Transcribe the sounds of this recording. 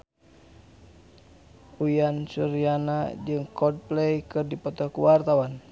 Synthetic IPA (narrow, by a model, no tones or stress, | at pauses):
ujansuɾianad͡ʒɨŋkɔd̚plɛjkɨrdipɔt̪ɔhkuwart̪awan